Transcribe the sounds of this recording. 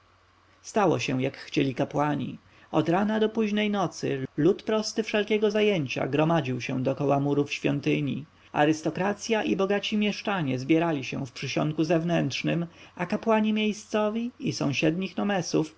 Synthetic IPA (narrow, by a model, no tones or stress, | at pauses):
st̪awɔ̰ɕɛw̃jakxt͡ɕelʲikapwaɲḭ | ɔd̪ɾanad̪ɔpuʑnɛjnɔt̪sɘ̰lut̪pɾɔst̪ɘfʂɛlkʲɛɡɔzajeɲt͡ɕa̰ɡɾɔmad͡ʑiwɕɛ̰̃w̃d̪ɔkɔwamuɾufɕfʲjɔ̰nt̪ɘɲḭ | a̰ɾɘst̪ɔkɾat̪sʲjaʔibɔɡat͡ɕimʲjɛʂt͡ʂaɲɛzbʲjɛɾalʲiɕɛ̰̃w̃fpʂɘɕɔ̰nt̪̚kuzɛvnɛnt̪ʂnɘmakapwaɲimʲjejst̪sɔvʲiisɔ̰̃w̃ɕɛd̪ɲixnɔmɛsuf